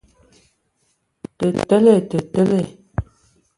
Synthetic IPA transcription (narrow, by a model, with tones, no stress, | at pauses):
tə˨tə˦le˨tə˨tə˦le˦˨